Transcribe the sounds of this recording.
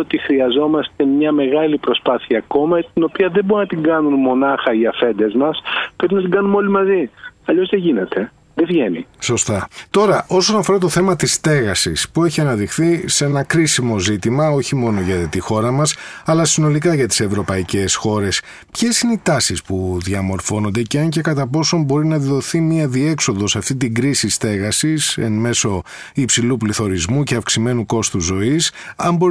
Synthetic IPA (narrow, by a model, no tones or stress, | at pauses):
ot̪ixɾiɐzo̞mɐst̪e̞mɲɐme̞ɣɐlipɾo̞spɐθiɐːko̞mɐt̪ino̞piɐðeboɾunɐt̪iŋɡɐnunmo̞nɐxɐiɐfe̞nd̪e̞zmɐspɾepinɐt̪iŋɡɐnuno̞limɐziɐʎo̞zðeʝine̞t̪e̞ | ðevʝe̞nḭso̞st̪ɐt̪o̞ɾɐʔo̞so̞nɐfo̞ɾɐt̪o̞θe̞mɐt̪ist̪e̞ɣɐsḭspue̞çiɐnɐðixθise̞nɐkɾisimo̞zit̪imɐo̞çimo̞no̞ʝɐt̪ixo̞ɾɐmɐsɐlɐsino̞likɐʝɐt̪i̥se̞vɾo̞pɐice̞sxo̞ɾe̞s | pçe̞sineit̪ɐsispuðiɐmo̞ɾfo̞no̞nd̪e̞ceɐɲce̞kɐt̪ɐpo̞so̞mbo̞ɾinɐððo̞θimiɐðie̞kso̞ðo̞sɐft̪it̪iɡɾisist̪e̞ɣɐsisḛnme̞so̞ | ipsilupliθo̞ɾizmuce̞ɐfksime̞nuko̞st̪uzo̞isɐmbo